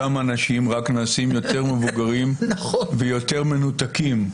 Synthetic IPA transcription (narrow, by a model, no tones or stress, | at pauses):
amanaʃimʁaknaːsimjo̞t̪e̞ʁme̞vuɡaʁimvejo̞t̪eʁme̞nut̪akim